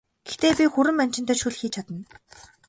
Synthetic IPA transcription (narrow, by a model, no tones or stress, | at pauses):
ɡ̥ext̪eːpʲixuɾɘ̆mːan̥t͡ɕɪ̆nt̪œːʃuɮxiːt͡ɕʰat̪ə̆n